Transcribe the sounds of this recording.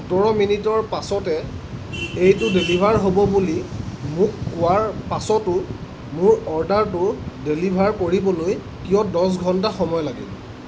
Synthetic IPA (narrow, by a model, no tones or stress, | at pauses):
xutɔɹɔminitɔɹpasɔtɛ | ejtʊdelibʱaɹɦobɔbulimʊkːʊwaɹpasɔtʊ | mʊɹɔɹdaɹtʊdelibʱaɹkoɹibɔloj | kijɔdɔs̬ɡʱɔntaxɔmɔjɔlaɡḭl